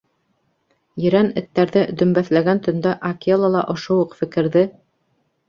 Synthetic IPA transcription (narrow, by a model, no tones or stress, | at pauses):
jɘ̆ɾænɘ̆t̪ːæɾðɘd̪ɵ̆mbæθlæɡænt̪ɵ̆nd̪ɑʔɐkʲelˠɑlˠɑʔŏʃowuqfɘ̆kɘ̆ɾðɘ